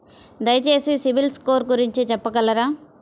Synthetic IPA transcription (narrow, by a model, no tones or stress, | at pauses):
d̪ɐjɐt͡ʃe̞ːsisiʋilskoːɾɡuɾiɲt͡ʃit͡ʃɛpːɐkɐlːɐɾaː